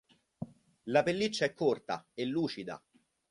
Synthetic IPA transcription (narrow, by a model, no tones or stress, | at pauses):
lapelːit͡ʃːaɛkʰːort̪a̰elːuːt͡ʃid̪a̰